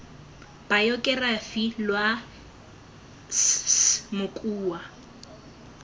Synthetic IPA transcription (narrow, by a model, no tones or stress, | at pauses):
b̥ajɔkʼɛrafilwa | smʊkʼuːwa